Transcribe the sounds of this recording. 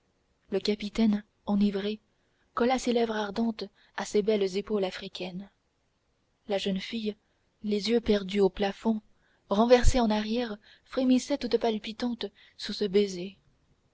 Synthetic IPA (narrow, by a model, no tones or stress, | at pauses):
ləkapit̪ɛn | ɑ̃nivʁe | kɔlaselɛvʁaʁd̪ɑ̃t̪ | asebɛlzepolafχikʲɛn | laʒənfij | lezjøpɛʁd̪yoplafɔ̃ | ʁɑ̃vɛʁseɑ̃naʁjɛʁ | fχemisɛt̪ut̪palpit̪ɑ̃t̪ | susəbeze